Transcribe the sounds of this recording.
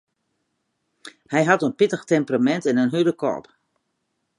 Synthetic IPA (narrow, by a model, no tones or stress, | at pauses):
hɛjɦatənpɪtəxtɛmpramɛntɛnənɦydəkʰɔ̰ːp